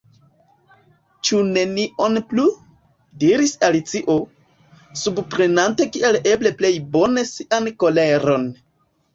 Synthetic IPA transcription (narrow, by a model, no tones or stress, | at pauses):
t͡ʃune̞niʔo̞nplu | diɾisalit͡siʔo̞ | subpɾe̞nante̞kiʔe̞le̞ble̞ple̞jbo̞nesiʔanko̞le̞ɾo̞n